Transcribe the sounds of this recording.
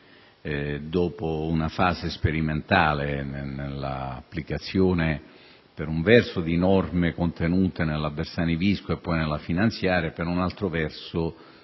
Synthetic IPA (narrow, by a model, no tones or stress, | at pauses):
d̪ɔːpounafaːzespeɾiment̪aːlenenelːa̰ːpːlikat̪sːjoːne | peɾuɱvɛrsʊd̪inɔrmekont̪enuːt̪enelːabːersaːniviskoepːɔjnelːafinant̪sjaːɾepeɾunalt̪ɾʊvɛrsʊ